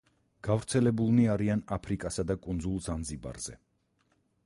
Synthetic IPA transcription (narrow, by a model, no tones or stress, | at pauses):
ɡ̥avɾt̪sʰɛlɛbulˠniaɾianapʰɾikʼasad̪akʼund̪zulˠzanziba̰ɾz̥ɛ